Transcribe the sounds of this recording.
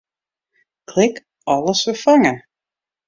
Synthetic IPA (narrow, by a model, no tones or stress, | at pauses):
kʰl̥ɪk | ɔlˠəsəfaŋə